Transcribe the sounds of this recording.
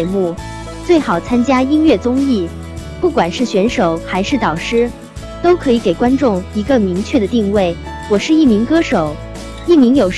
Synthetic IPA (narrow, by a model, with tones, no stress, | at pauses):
mu˥˩ | t͡swe˥˩ɪxɑ˨˩ʊt͡sʰa˥nt͡ɕja˥i˥nɥɛ˥˩t͡sʊ˥ŋi˥˩ | pu˥˩kwa˨˩nʂɻ̩˥˩ɕɥɛ˧˥nʂo˨˩˦ʊxa˧˥ɪʂɻ̩˥˩t̪ɑ˨˩ʊʂɻ̩˥ | t̪o˥ʊkʰɤ˧˥i˧˥ke˨˩ɪkwa˥nʈ͡ʂʊ˥˩ŋi˧˥ɡə˧mi˧˥ŋt͡ɕʰɥɛ˥˩d̪ə˩t̪i˥˧ŋwe˥˩ɪ | wɔ˨˩ʂɻ̩˥˧i˥˩mi˧˥ŋkɤ˥ʂo˨˩˦ʊ | i˥˩mi˧˥ŋjo˨˩ʊ